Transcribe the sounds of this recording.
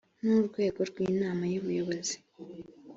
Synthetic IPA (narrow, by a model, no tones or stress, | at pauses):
nuːɾɡwe̞ːɡo̞ɾɡwiːnaːmajuβujo̞βo̞zi